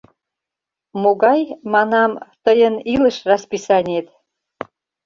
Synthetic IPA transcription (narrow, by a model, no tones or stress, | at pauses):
moɣɑjmɑnɑmt̪əjənilə̆ʃrɑspisɑnʲet̪